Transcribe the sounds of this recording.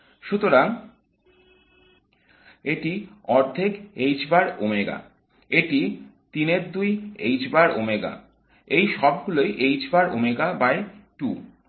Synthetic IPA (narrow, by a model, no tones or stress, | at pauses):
ʃut̪oɾaŋ | eʈiɔɾd̪ʱekejd͡ʑbaɾomeɡa̰ | eʈit̪ineɾd̪ujejd͡ʑbaɾomeɡa̰ | ejʃɔb̚ɡulojʔejd͡ʑbaɾo̰meɡabajʈu